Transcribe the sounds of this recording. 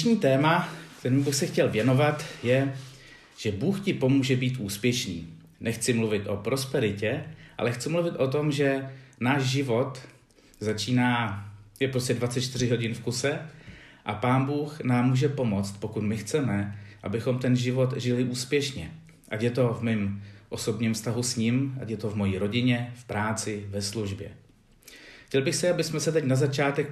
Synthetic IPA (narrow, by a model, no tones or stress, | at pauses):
ʃɲiːt̪ɛːmakt̪ɛɾiːmbɪxsɛxcɛlvjɛno̞vat̪jɛ | ʒ̥ɛbuːxcɪpo̞muːʒɛbiːt̪ʔuːspjɛʃnḭː | nɛxt͡sɪmluvɪt̪ʔo̞pɾo̞spɛɾɪcɛʔa̰lɛxt͡sɪmluvɪt̪ʔo̞t̪̬o̞mʒɛnaːʃʒɪvo̞t̪ | zat͡ʃiːnaːjɛpɾoscɛdvatt͡sɛt̪t͡ʃt̪ɪr̝ɪɦo̞ɟɪnfkusɛʔapaːnbuːxnaːmːuːʒɛpo̞mo̞t͡st̪̚po̞kut̪mɪxt͡sɛmɛʔa̰bɪxo̞mt̪ɛnʒɪvo̞t̪ʒɪlɪʔuːspjɛʃɲɛ | ʔacjɛt̪o̞vmiːmʔo̞so̞bɲɪːmfst̪aɦusɲɪmʔa̰cjɛt̪o̞vmo̞jiːɾo̞ɟɪɲɛfpɾaːt͡sɪvɛsluʒbjɛ̰ | xcʲɛlbɪxsɪabɪsmɛsɛt̪ɛcnazat͡ʃaːt̪ɛk